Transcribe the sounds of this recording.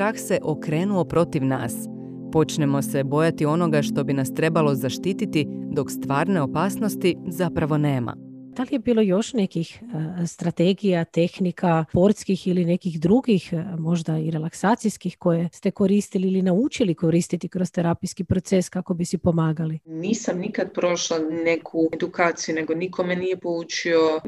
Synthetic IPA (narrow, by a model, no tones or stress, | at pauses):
t̪ɾaxse̞ʔo̞kɾe̞ːnuopɾo̞t̪iʋna̰ːs | po̞t͡ʃnemo̞se̞bo̞jat̪io̞no̞ɡaʃt̪o̞binast̪ɾe̞balo̞zaʃt̪iːt̪it̪id̪o̞kst̪ʋaːɾne̞o̞paːsnost̪izapɾaʋo̞ne̞ːma̰d̥̪alije̞biːlˠo̞jo̞ʃne̞kixst̪ɾat̪eɡijat̪e̞xnikʰapo̞ɾt̪skixiline̞kixd̪ɾuɡixmo̞ʒd̪aiɾe̞laksaːt̪sijskixko̞je̞st̪e̞ko̞ɾiːst̪iliilinaut͡ʃiliko̞ɾiːst̪it̪ikɾost̪eɾapijskipɾo̞t̪se̞skako̞bisipo̞maːɡaliniːsamnikad̪pɾoʃlanekʰud̪ukaːt̪sijune̞ɡo̞nikʰomenijepoluːt͡ʃio